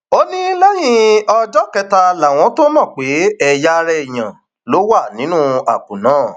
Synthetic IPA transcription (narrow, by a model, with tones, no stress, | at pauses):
o˦nĩ˦lɛ˦j̃ĩ˦ɔ˧d͡ʒɔ˦kɛ˧ta˧la˨w̃ɔ̃˨˦to˦mɔ̃˦˨k͡pe˨˦ɛ˨ja˦˧ɾɛ˧i˨j̃ã̰˨ | lo˨˦wa˦˨nĩ˨˦nũ˦a˨kũ˨nãː˨˦˨